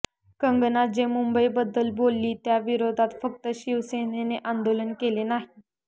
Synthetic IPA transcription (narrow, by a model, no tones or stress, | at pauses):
kəŋɡnat̪̚d͡ʑemumbəibəd̪ːəlbolːiːt̪jaʋiɾod̪ʱat̪fək̚t̪əɕiʋseneneʔand̪olənkelenaɦi